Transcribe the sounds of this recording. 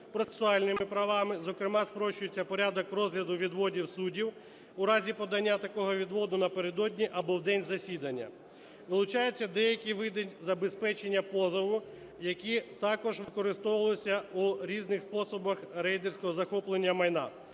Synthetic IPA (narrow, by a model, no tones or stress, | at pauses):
pɾɔt̪se̥sʊɑlʲnɪmɪpɾɐʋɑmɪzɔkɾɪmɑspɾɔʃt͡ʃʊjet͡sʲːɐpɔɾʲad̪ɔkrɔzɦlʲɐd̪ʊʋʲid̪ʋɔdʲiwsudʲiw | ʊɾɑzʲipɔd̪ɐnʲːat̪ɐkɔɦɔʋʲid̪ʋɔd̪ʊnɐpeɾed̪ɔdʲnʲiʔɐbɔwd̪ɛnʲzɐsʲid̪ɐnʲːɐ̰ | ʋɪlˠʊt͡ʃɑjet͡sʲːɐd̪ɛjɐkʲiʋɪd̪enʲzɐbespɛt͡ʃenʲːɐpɔzɔʋʊ | jɐkʲit̪ɑkɔʒʋɪkɔɾɪst̪ɔʋɐlˠɔsʲɐuɾʲiznɪxspɔsɔbɐxɾɛjd̪ersʲkɔɦɔzɐxɔplˠenʲːɐmɐjnɑ̰